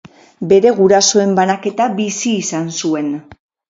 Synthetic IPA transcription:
be̞ɾe̞ɣuɾaso̞e̞mbanake̞t̪aβisiːsansue̞n

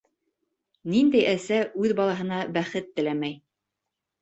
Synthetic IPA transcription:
nind̪æjʔæsæʔʉðbɑlˠɑɦɤ̆nɑbæχɘt̪ːɘ̆læmæj

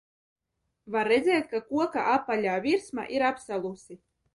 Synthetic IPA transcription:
vaɾːed̪zɛːjt̪̚ʲkakuɔka̰ʔapːalʲaːvʲiɾsma̰ʔiɾapsalˠusi

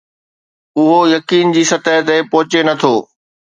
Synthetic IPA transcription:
ʊɦojɐkiːnd͡ʑiːsɐt̪əɦt̪epɐɦʊt͡ɕenɐt̪ʰoː

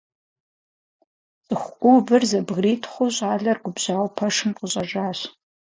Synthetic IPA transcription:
t͡sʼɨxʷkʷʼʊbɨrzɐbɣriːtʰχʷʊɕʼaːɮɐrɡʷʊbʑaːwpʰɐʂɨmqʊɕʼɐʒaːɕ

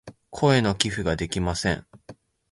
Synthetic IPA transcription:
kʰo̞e̞no̞kʲiɸɯ̟ɡad̪e̞kʲimasẽŋ

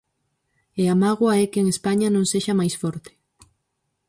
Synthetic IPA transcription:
eamaɣwaɛkeːŋespaɲanõŋseʃamajsfɔɾt̪e̥

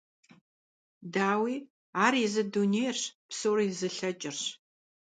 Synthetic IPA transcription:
daːwiː | aːrjɪzɨdunejrʂpsoːrjzɨɬɐt͡ʃʼɪrɕ

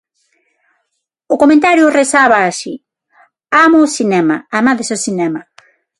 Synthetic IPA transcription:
ʊkomẽnt̪aɾjʊresaβaːʃi | amʊːsinɛmaamaðesosinɛma

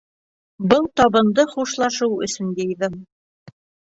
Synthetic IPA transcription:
bɤlˠt̪ɒβɤ̆nd̪ɤχuʃlˠɑʃɤwɵ̰̆sɵ̆njejðɤm

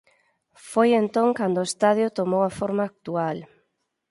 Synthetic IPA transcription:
fojent̪oŋkand̪ʊoest̪aðjʊt̪omowafoɾmaːk̚t̪ual

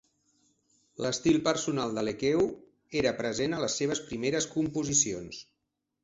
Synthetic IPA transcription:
ləst̪ilˠpəɾsunalˠd̪əlekew | eɾəpɾəzenələsːeβ̞əspɾimeɾəskumpuzisions

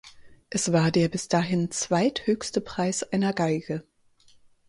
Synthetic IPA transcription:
ʔɛsv̥aːɐdeːɐbɪsd̥aːɦɪnt͡sv̥aɪthøːçstəpʁ̥aɪsʔaɪnɐɡaɪɡə

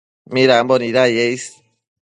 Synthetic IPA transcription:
miɾambɔniɾajeis

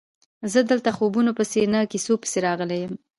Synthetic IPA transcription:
zəd̪əlt̪axobunopəsenəkisopə̥seɾɑɣəlejəm

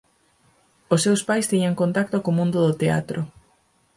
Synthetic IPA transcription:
osːewspajst̪iɲaŋkõnt̪ak̚t̪okomũnd̪ʊðʊt̪ea̰t̪ɾʊ

